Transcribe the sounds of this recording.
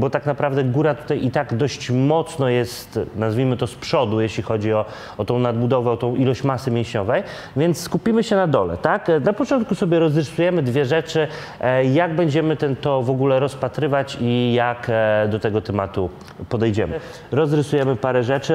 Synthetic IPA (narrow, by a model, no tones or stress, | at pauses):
bɔt̪aknapɾavd̪ɛɡuɾat̪u̥t̪ajit̪aɡd̪ɔɕt͡ɕmɔt̪snɔjɛst̪nazvʲimɘt̪ɔspʂɔd̪ujɛɕlʲixɔd͡ʑiɔ | ɔt̪ɔ̃w̃nad̪̚bud̪ɔvɛɔt̪ɔ̃w̃ʔilɔɕt͡ɕmasɘmʲjɛ̃w̃ɕɲɔvɛj | vʲjɛnt̪sskupʲimɘɕɛnad̪ɔlɛ̰t̪aknapɔt͡ʂɔnt̪̚kusɔbʲjɛɾɔzɾɘsujɛmɘd̪vʲjɛʐɛt͡ʂɘ | jaɡbɛɲd͡ʑɛmɘt̪ɛnt̪ɔvɔɡulɛɾɔspat̪ɾɘvat͡ɕijakd̪ɔt̪ɛɡɔt̪ɛmat̪u | pɔd̪ɛjd͡ʑɛmɘ | ɾɔzɾɘsujɛmɘpaɾɛʐɛt͡ʂɘ